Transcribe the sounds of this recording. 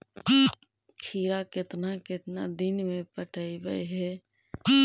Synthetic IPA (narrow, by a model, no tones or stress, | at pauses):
kʰiːɾakɪt̪nakɪt̪nad̪ɪnmẽpəʈʰaibəjɦɛ